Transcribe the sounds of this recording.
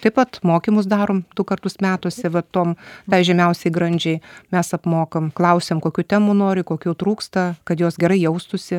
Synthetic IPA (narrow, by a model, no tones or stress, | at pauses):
t̪ɐɪpʋɐt̪moːkʲimʊsd̪ɑːɾoːmd̪ʊkɐrt̪ʊsmʲæːt̪ʊsʲɛʋɐt̪oːmt̪ɐɪʒʲɛmʲɛʊsʲɛɪɡɾɐnʲd͡ʒʲɛɪmʲɛsɐpmoːkɐmklˠɐʊsʲeːmkoːkʲuːt̪ʲæːmunoːɾʲɪkoːkʲuːt̪ɾuːkst̪ɐkɐt̪joːsɡʲɛɾɐɪjɛʊst̪ʊsʲɪ